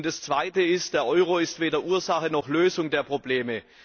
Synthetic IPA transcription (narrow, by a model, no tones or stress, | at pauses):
nd̥ast͡sv̥aɪtəɪst̚d̥eːɐʔɔʏʁoɪstv̥eːdɐʔuːɐzaχənɔχløːzʊŋdeːɐpʁ̥obleːmə